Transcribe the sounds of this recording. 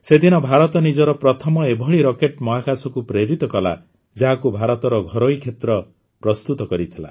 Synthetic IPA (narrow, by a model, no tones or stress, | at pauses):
sed̪ʱinɔbʱaɾɔt̪ɔnid͡ʒɔɾɔpɾɔt̪ʰɔmɔebʱɔɭiɾɔkeʈmɔɦakasɔkupɾeɾit̪ɔkɔla̰ | d͡ʒaɦakubʱaɾɔt̪ɔɾɔɡʱɔɾojkʰet̪ɾɔ | pɾɔst̪ut̪ɔkɔɾit̪ʰila̰